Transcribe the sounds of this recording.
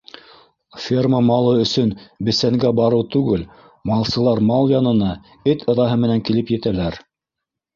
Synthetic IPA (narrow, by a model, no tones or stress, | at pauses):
fʲerməmɑlˠɤɵ̆sɵnbɘ̆sæŋɡæbɑɾɤwt̪ʉɡɘl | mɑlˠsɤ̆lˠɑɾmɑlˠjɑnɤ̆nɑ | ɘt̪ʰɤ̆ðɑɦɤmɘ̆næŋkilɘpjɘ̆t̪ælæɾ